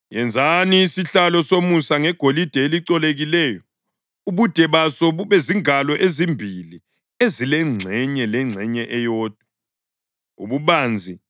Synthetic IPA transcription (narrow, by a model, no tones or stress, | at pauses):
jɛnd͡zʱaniːsiɬalɔsomusaŋɛɡ̥ʱolid̥ʱɛeliǀɔleɣilɛjɔ | uβud̥ʱɛβasɔβeziŋalɔʔezimbʱili | ezilɛŋ͡ǀʱɛɲɛlɛŋ͡ǀʱɛɲɛʔɛjɔːd̥ʱwa | ṵβuβaːnd͡zʱi